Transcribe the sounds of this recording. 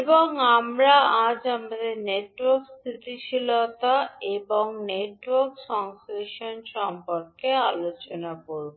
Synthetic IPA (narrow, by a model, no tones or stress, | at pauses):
eboŋamɾaad͡ʑapad̪eɾneʈwoɾkst̪ʰit̪iʃilot̪aeboŋneʈwoɾkʃɔŋskɾeʃonʃɔmpoɾkealot͡ɕonakoɾbu